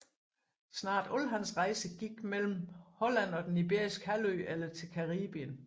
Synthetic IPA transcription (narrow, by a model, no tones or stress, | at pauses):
snɑ̰̈ːd̥ɔlɦænsʁɑ̈ɪsəɡ̥iɡ̥mel̰m̩hɔ̽læn̰ɒ̽d̥enib̥e̝ɐ̰isɡ̥əhæløːelɐt͡sʰe̝lkʰɑ̈ʁiːb̥iən